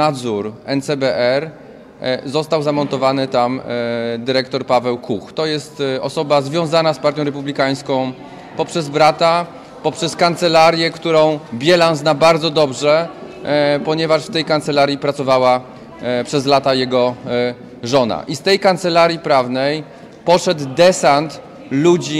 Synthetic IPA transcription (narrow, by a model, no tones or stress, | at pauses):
nad̪zuɾɛnt̪sɛbɛʔɛɾ | zɔst̪awzamɔnt̪ɔvanɘt̪amd̪ɘɾɛkt̪ɔɾpavɛwkuxt̪ɔjɛst̪ɔsɔbazvʲjɔ̃w̃zanaspaɾt̪jɔ̃wɾɛp̬ublʲikaj̃skɔ̃w̃ | pɔpʂɛzbɾat̪a | pɔpʂɛskant̪sɛlaɾjɛkt̪uɾɔ̃w̃bʲjɛlanznabaɾd̪zɔd̪ɔbʐɛ | pɔɲɛvaʂft̪ɛjkant̪sɛlaɾjipɾat̪sɔvawa | pʂɛzlat̪ajɛɡɔ | ʐɔna̰ʔist̪ɛjkant̪sɛlaɾʲjipɾavnɛj | pɔʂɛd̪d̪ɛsant̪ | lud͡ʑi